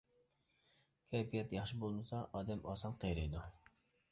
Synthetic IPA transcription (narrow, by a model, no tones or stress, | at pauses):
kʲʰɛpijɛt̪jɑχʃibolˠmɨsɑʔɑːd̪ɛmɑːsɑnqʰejɾɨjd̪u